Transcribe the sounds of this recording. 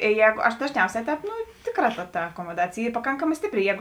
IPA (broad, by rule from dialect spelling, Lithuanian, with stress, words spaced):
ɪ ˈjɛːɡoː ɐʃ dɐʒʲˈnʲɛʊsʲɛː ˈtʲɛːp ˈtʲeːˌkrɑː tɐ tɐ ɐkoːmoːˈdɑːt͡sʲeːj ˈiː pɐˈkɐŋkɐmɑː ˈsʲtʲɪpʲˌrʲɪ ˈjɛːɡʊ